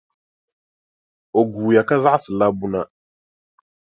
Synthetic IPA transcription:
o˨ɡuː˨ja˨ka˦za˦ʔsɨ˨la˦bu˦na˦

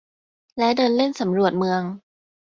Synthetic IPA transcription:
lɛ˦˥wdɤː˧nle˥˩nsa˩˦mɾu˨˩ət̪̚mɯ˧əŋ

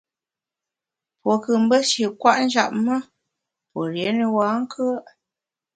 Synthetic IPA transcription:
po˨kɨ˨m̩˦bə˦ʃe˨kwa˦ʔn̩˦d͡ʒa̰˨p̚mə˦ | po˨ɾje˨˦ni˨wa˨˦ŋ̩˦kʰə˦ʔ

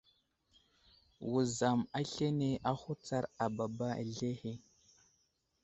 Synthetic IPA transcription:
wu˨za˨ma˦ɬe˦ne˦ʔa˦xu˦t͡sa˦ɾa˨ba˨ba˦a̰˨ɮe˦he˦

